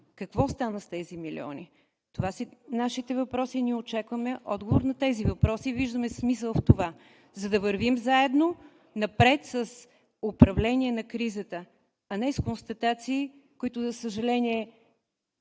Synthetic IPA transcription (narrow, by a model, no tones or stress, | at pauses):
kəkvɔst̪anəst̪ɛzimilḭɔ̰ni | t̪ovasinaʃit̪ɛvɐpɾɔsiniɛot͡ʃakvəmɛʔɔ̰d̪ɡovoɾnɐt̪ɛzivɐpɾɔsiviʒd̪əmɛsmis̬əlˠft̪ova | zɐd̪ɐvəɾvimzaɛd̪no | nɐpɾɛt̪səs | opɾɐvlɛniɛnɐkɾizət̪ə | ɐnɛskonst̪ɐt̪at̪siː | koit̪ʊzəsəʒɐlɛniɛ